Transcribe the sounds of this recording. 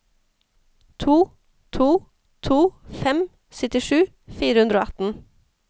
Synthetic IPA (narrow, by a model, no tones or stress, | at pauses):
t̪ʰuː | t̪ʰuː | t̪ʰuːfɛm | sʏt̪ɪʃʉː | fiːɾəhʉnd̪ɾoːɑt̪n̩